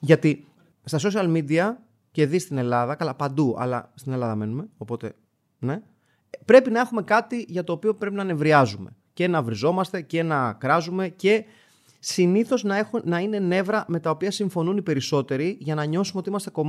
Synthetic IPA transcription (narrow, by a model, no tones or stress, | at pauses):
ʝɐt̪i | st̪ɐso̞s̬iɐlmid̪iɐ | ce̞ðist̪ine̞lɐðɐkɐlɐpɐnd̪uɐ̰lɐ̰st̪ine̞lɐðɐme̞nume̞o̞po̞t̪e̞ | ne̞ | pɾe̞pinɐe̞xume̞kɐt̪iʝɐt̪o̞ːpio̞pɾe̞pinɐne̞vɾiɐzume̞̰ | ce̞nɐvɾizo̞mɐst̪e̞ce̞nɐkɾɐzume̞ce̞ | siniθo̞znɐexnɐine̞ne̞vɾɐme̞t̪ɐopiɐsiɱfo̞nunipe̞ɾiso̞t̪e̞ɾiʝɐnɐɲo̞sumeot̪iimɐst̪e̞ko̞m